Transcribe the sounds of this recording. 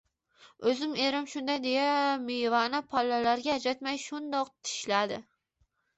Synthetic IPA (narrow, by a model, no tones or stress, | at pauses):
ɵzɪme̞ɾɪmʃʊnd̪ajd̪e̞jamejvanapʰɒlːalaɾɡʲad͡ʒat̪majʃʊnd̪ɒqt̪ʰɪ̥ʃlad̪ɪ